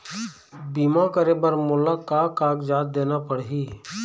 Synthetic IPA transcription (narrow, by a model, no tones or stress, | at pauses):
biːmãkəɾeːbəɾmʊlakaːkaːkd͡ʒaːt̪̚d̪eːnapəɽɦiː